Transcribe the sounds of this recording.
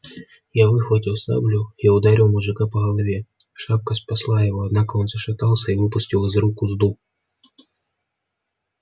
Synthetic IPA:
jaʋɪxʋɐtʲiwsa̰blʲʊjaʊd̪aɾʲiwmuʐɨkapɐɣɐlˠɐvʲɛʃap̚kɐspɐslˠajɐvɔɐd̪nakɐɔnzɐʃɪt̪alˠsʲɐivɪpʊsʲtʲiwɪzɾukuzd̪u

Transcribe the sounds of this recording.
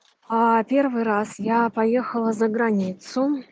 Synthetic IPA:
apʲervɨjɾasjapɐjexəlˠəzəɡɾɐnʲit̪sʊ

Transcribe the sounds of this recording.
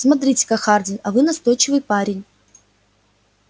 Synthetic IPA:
smɐt̪̬ɾʲitʲɪ̥kɐxardʲɪnɐvɨnɐst̪o̞jt͡ɕɪvɨjpaɾʲɪnʲ

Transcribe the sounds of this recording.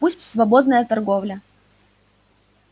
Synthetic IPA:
pusʲtʲsvɐbod̪nəjət̪ɐrɡovlʲə

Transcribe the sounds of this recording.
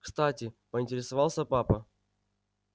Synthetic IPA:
kst̪atʲɪpəɪnʲtʲɪɾʲɪsɐvalˠsʲəpapə

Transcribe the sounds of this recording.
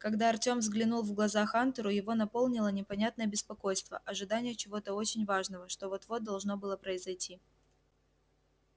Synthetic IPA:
kɐɡd̪aɐrtʲo̞mvzɡlʲɪnulˠvɡlˠɐzaxant̪əɾʊjɪvo̞nɐpo̞lˠnʲɪlˠənʲɪpɐnʲat̪̚nəjəbʲɪspɐko̞jst̪və̰ʔɐʐɨd̪anʲɪjət͡ɕɪvo̞t̪əo̞t͡ɕɪnʲvaʐnəvəʂt̪ovo̞t̪vo̞d̪ɐlˠʐno̞bɨlˠəpɾəɪzɐjtʲʰi

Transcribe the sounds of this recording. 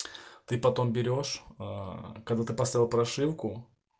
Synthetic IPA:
t̪ɨpɐt̪o̞mbʲɪɾʲo̞ʂ | kɐɡd̪at̪ɨpɐst̪avʲɪlˠpɾɐʂɨwkʊ

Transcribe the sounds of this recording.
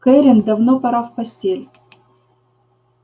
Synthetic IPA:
kɛɾʲɪnd̪ɐvnopɐɾafpɐsʲtʲelʲ

